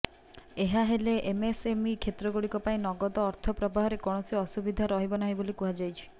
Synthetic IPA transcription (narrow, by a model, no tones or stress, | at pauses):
eɦaɦeleʔemesemikʰet̪ɾɔɡuɽikɔpaĩnɔɡɔd̪ɔːɾt̪ʰɔpɾɔbaɦɔɾekɔɽ̃ɔsiɔsubid̪ʱaɾɔɦibɔnaɦibolikuɦad͡ʒajt͡ʃʰi̥